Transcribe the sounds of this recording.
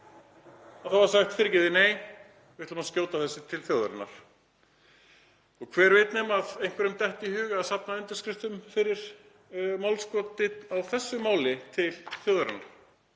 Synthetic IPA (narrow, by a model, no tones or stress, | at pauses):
aθawvaɾ̥saxt̪fɪɾɪcɪðɪneːj | vɪht̪lʏmascjoːwt̪aθɛsːɪt̪ʰɪlθjowða̰ɾanːa̰ɾ̥ | ɔɣkʰv̥ɛːɾvejt̪nɛmaðejŋ̥kvɛɾʏmt̪ɛht̪ihʏːɣʏaðsapnaʏnt̪ɪ̥ɾskɾɪft̪ʏmfɪɾɪɾ̥ | mawlskɔt̪ːɪawθɛsːʏmaːwlɪt̪ʰɪlθjowðʏɾɪnaɾ̥